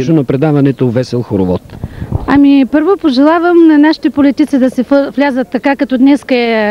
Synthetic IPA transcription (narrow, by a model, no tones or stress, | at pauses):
unɐpɾɛd̪avɐnɛt̪ovɛsɛlˠxoɾovɔt̪ɐmipɤɾvopoʒɛlˠavəmnɐnaʃi̥t̪ɛpolit̪it̪sid̪ɐsɛvlʲazət̪ːɐkakɐt̪ɔd̪nɛskəɛ